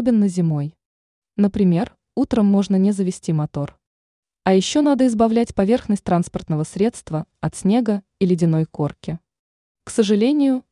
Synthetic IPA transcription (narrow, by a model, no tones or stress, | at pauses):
bʲɪnːəzʲɪmo̞j | nəpɾʲɪmʲe̞r | ut̪ɾəmːo̞ʐnənʲɪzəvʲɪsʲtʲimɐt̪o̞r | ɐjɪɕːo̞nad̪əɪzbɐvlʲætʲpɐvʲe̞rxnəsʲt̚ʲt̪ɾanspərt̪nəvəsʲɾʲe̞t̪st̪vəɐt̪sʲnʲe̞ɡə | ilʲɪdʲɪno̞jko̞rkʲɪ | ksəʐɨlʲenʲɪjʊ